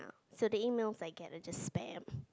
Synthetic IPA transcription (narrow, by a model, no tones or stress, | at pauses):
ʊsoʊðɨimeɪlˠz̥aɪɡɛɾɨd͡ʒʌstspæ̃m